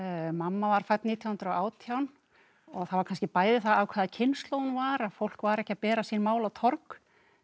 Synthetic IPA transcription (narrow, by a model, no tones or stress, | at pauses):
mamːavaɾ̥fajt̪niːt̪jawhʏnt̪ɾawaːwt̪ʰjawn | ɔθavaɾkʰanscɪpaːjðɪθaawkʰvɛːðacʰɪnslowðʏnvaɾaðfowl̥kvaɾɛhcːapɛːɾasinmaːwlawt̪ʰɔɾk